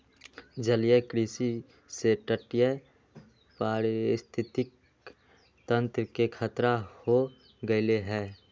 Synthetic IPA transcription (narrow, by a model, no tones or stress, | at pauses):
d͡ʒəlɪjəkɾisi | seʈəʈɪjə | paːɾst̪ʰɪt̪ɪk | t̪ə̃nt̪ɾəkekʰət̪ɾaho | ɡəɪleɦɛː